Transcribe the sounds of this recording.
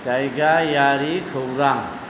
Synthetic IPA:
tajɡajaɾikʰəwɾaŋ

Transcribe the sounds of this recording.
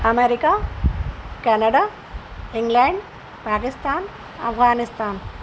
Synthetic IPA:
ɐmeɾikaː | kɐnɐɽaː | iŋɡlaːɳɖ | paːkist̪aːn | ɐ̰fʰɡaːnist̪aːn

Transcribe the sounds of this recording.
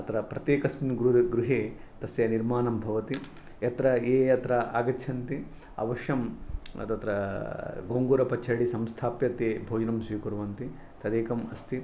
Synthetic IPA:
ɐt̪ɾɐpɾɐt̪jeːkɐsminɡɾuɡɾuɦeː | t̪ɐsjɐniɾmaːnɐmbʱɐʋɐt̪i | jɐt̪ɾɐeːjɐt̪ɾɐa̰ːɡɐtːʰɐnt̪i | ɐ̰ʋɐʃjɐm̰t̪ɐt̪ɾɐɡoːŋɡuːɾɐpɐt͡ʃʰːɐɽisɐmst̪ʰaːpjɐt̪eːbʱoːd͡ʒnɐmsʋiːkuɾʋɐnt̪i | t̪ɐd̪eːkɐmɐst̪ʰi

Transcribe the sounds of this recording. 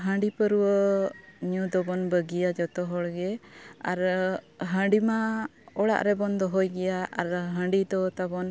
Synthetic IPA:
ɦə̃ɳɖipəɾuwə | ɲũd̪ɔbɔnbəɡijad͡ʒɔt̪ɔɦɔɽɡɛaɾɦə̃ɳɖimaɔɽa̰ʔɾɛbɔnd̪ɔɦɔjɡɛjaʔa̰ɾɦə̃ɳɖid̪ɔt̪abɔn

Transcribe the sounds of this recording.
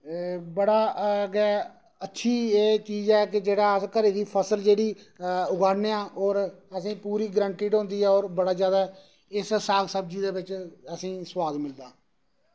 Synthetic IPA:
bəɽaːɡɛː | ətːʃʰiːeːt͡ʃiːzɛːkɪd͡ʒeːɽaːəskəɾeːd̪iːpʰəsəld͡ʒeːɽiː | ʊɡaːɽneːãːʔɔːɾəsĩːpuːɾiːɡɾãːɳʈiːɖɦõːnd̪iːɛːoːɾbəɽaːzjaːd̪aː | ɪssaːlsəb̚d͡ʒiːd̪eːbɪt͡ʃəsĩːswaːd̪mɪld̪aː

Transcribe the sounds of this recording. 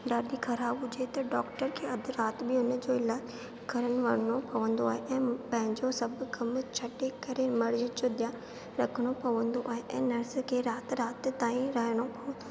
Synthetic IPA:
ɖaːɗikʰɐɾaːbʊd͡ʑet̪ɐɖɔːkʈəɾkʰeːɐd̪ʱɪɾaːt̪bɪʊnə̆d͡ʑoːɪlaː | ɡʱɐɾəɽ̃̆ʋɐɽ̤əɽ̃opɐʋə̃nd̪oaːɦeʔɛ̃ːpɐ̃ɦɪ̃ɲd͡ʑosɐbɡɐmt͡ɕʰɐʈekɐɾemɐɽd͡ʑid͡ʑod̪ija | ɾɐkʰəɽ̃opɐʋə̃nd̪oʔaːɦeʔɛ̃ːnɐɾskʰeːɾaːt̪ɾaːt̪t̪aːĩɾɐɦəɽ̃opɐʋə̃

